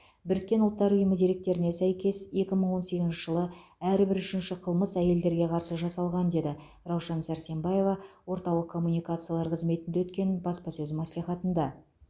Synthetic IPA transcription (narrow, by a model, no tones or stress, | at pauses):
bɪɾɪk̚ʲːe̞nʊlˠt̪ːɑɾʊjəməd̪eɾe̞k̚t̪e̞ɾɪne̞sæjkʲe̞sje̞kʲɪməɴwo̞nse̞ɡʲɪznʃɪ̥ʒ̥əlˠəæɾbɪɾʏʃɪnʃɪqʰəlˠməsæje̞ld̪e̞ɾɡʲe̞qʰɑɾsəʒɑsɑlˠʁɑnd̪e̞d̪ɪ | ɾɑwʃɑnsæɾse̞mbɑje̞vɑwo̞ɾt̪ɑwlˠəqkʰːo̞mːunijkat̪sɨjalˠɑɾqʰəzme̞t̪ɪnd̪ewɵt̪̚kʲe̞nbɑspɑsɵzɪmɑsliχɑt̪ənd̪ɑ